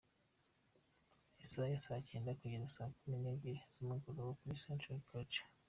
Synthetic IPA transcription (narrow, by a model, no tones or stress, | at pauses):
isajasacʰeːndakuɟiɾasaːkumineɡizumuɡuɾowokumisentuɾikʰot͡ʃḁ